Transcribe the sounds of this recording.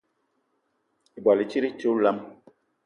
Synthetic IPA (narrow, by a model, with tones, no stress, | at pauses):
i˨bwa˨li˨t͡ʃi˦ɾi˦t͡ʃu˦la˦m